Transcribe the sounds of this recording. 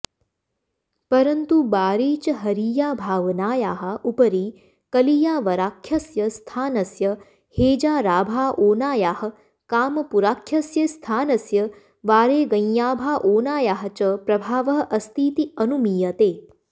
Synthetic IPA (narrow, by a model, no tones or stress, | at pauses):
pɐɾɐnt̪ubaːɾiːt͡ʃɐɦɐɾiːjaːbʱaːʋnaːjaːɦɐʔupɐɾiː | kɐlijaːʋɐɾaːkʰjɐsjɐst̪ʰaːnɐsjɐ | heːd͡ʒaːɾaːbʱaːʔoːnaːjaːhɐ̆ | kaːmɐpuɾaːkʰjɐsjɐst̪ʰaːnɐsjɐ | ʋaːɾeːɡɐ̃jjaːbʱaːʔoːnaːjaːɦɐ̆t͡ʃɐpɾɐbʱaːʋɐɦɐʔɐst̪ʰiːt̪iɐnumiːjɐt̪eː